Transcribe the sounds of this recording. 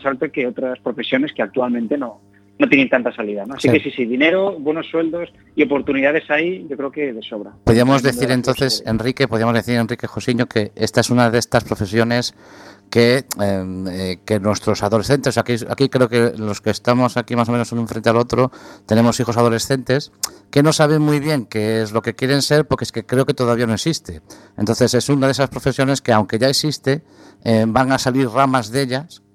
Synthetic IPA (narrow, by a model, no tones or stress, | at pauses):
asalt̪okeot̪ɾaspɾo̞fe̞sjo̞ne̞skeak̚t̪ualmẽnt̪e̞no | not̪jenent̪ant̪asaliðanoasikesisiðine̞ɾoβwe̞nosːwe̞ld̪o̞s | io̞po̞ɾt̪uniðaðe̞sajʝo̞kɾe̞oke̞ðeso̞βɾapoðiamo̞zðeθiɾe̞nt̪onθese̞nrike̞poðiamoðeθiɾe̞nrike̞xosiɲoke̞est̪aesunaðeest̪aspɾo̞fe̞sjo̞ne̞s | keeke̞nwe̞st̪ɾo̞saðo̞le̞sθe̞nt̪esoseakia̰kikɾe̞oke̞lo̞skeːst̪amo̞sakimaso̞menosonũɱfɾe̞nt̪ealo̞t̪ɾot̪e̞ne̞mo̞sixo̞sað̞o̞le̞sθent̪e̞ske̞no̞saβ̞e̞ŋmujβ̞je̞ŋkeezlo̞ke̞kje̞ɾe̞nse̞ɾpo̞ɾkeeske̞kɾe̞o̞ke̞t̪o̞ðaβiano̞eksist̪e | ent̪o̞nθe̞se̞sunaðe̞saspɾo̞fe̞sjo̞ne̞ske̞awŋke̞ʝaeksist̪e̞ | ebaŋasaliɾramazðe̞ʎas